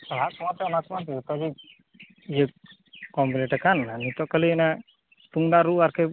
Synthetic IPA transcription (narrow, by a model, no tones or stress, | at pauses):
saɦakɔmat̪ɛɔnakmant̪it̪ɔbi | ijə | kɔmpilɛʈakananit̪ɔʔkalina | t̪uŋd̪aɾuʔaɾkʰɛ